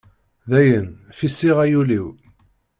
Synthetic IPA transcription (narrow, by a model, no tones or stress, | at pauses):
ðæjənfisiʁæjuliw